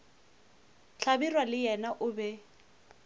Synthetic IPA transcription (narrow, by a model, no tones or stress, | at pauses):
t͡ɬʰabirwalɪjɛnaʔʊbɛ